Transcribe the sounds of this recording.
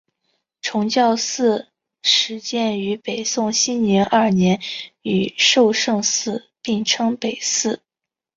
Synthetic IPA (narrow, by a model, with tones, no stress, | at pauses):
ʈ͡ʂʰʊ˧˥ŋt͡ɕjɑ˥˧ʊsɹ̩˥˩ | ʂɻ̩˧˥t͡ɕjɛ˥˩ny˧˥pe˨˩ɪsʊ˥˩ŋɕi˥nnjɛ˧˥nʔɐ˥˩njɛ˧˥ny˨˩ʂo˥˧ʊʂɤ˥˧ŋsɹ̩˥˩˧ | pi˥˩ŋʈ͡ʂʰɤ˥ŋpe˨˩ɪsɹ̩˥˩